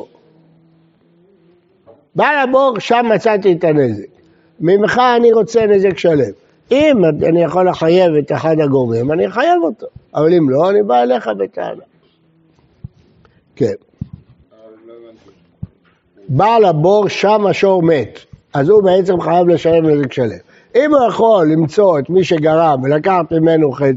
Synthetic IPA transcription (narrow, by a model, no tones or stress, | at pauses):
balabo̞ʁʃamːat͡sat̪̬iet̪ane̞zekː | imχaːniʁo̞t͡se̞nezekʃale̞m | imaanijaχo̞lːeħaje̞ve̞t̪eħad̪aɡovimaniħajavot̪oavalimlo̞anibaele̞χabet̪a̰na | ken | balabo̞ʁʃamaʃo̞ʁme̞t̪azube̞et͡se̞mχajavleʃale̞vnezekʃale̞̰m | imujaχo̞lːimt͡so̞et̪miʃe̞ɡaʁamvelakaħt̪mime̞nuχe